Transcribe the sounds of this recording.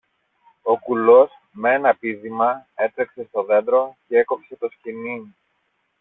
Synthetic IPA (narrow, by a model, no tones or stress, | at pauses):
o̞kulo̞s | meenɐpiðimɐe̞t̪ɾekse̞st̪o̞ðe̞nd̪ɾo̞ce̞eko̞pse̞t̪o̞scini